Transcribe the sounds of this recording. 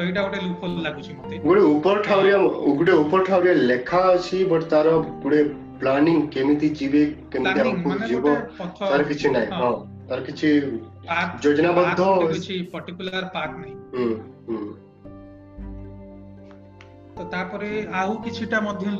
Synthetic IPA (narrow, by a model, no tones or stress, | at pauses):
ɔɦiʈaɡoʈelukʰollaɡut͡ʃʰimot̪eɡuɽeupɔɾʈʰawɾijaɡuɽeupɔɾʈʰawɾijalekʰaɔt͡ʃʰibɔʈt̪aɾɔpuɽe | planiŋɡkemit̪id͡ʒibekemit̪iaɔkud͡ʒibɔt̪aɾɔkit͡ʃʰinaĩɦɔ̃ | t̪aɾɔkit͡ʃʰi | ad͡ʒod͡ʒnabɔd̪ʱːɔt͡ʃʰipɔɾʈikulaɾpaknaɦĩɦɦ | t̪ot̪apɔɾeaũkit͡ʃʰiʈamɔd̪ʱjɔ